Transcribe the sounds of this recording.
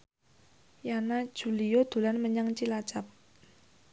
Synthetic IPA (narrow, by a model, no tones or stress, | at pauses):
janḁʒ̥ṳlijod̪̥ṳlanməɲaŋt͡ʃilat͡ʃap̚